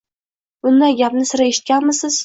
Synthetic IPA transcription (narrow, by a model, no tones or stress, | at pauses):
b̥ʊnd̪ajɡʲapnɪsɪɾaeʃɪ̥t̪̚kʲanmɪzsɪz̥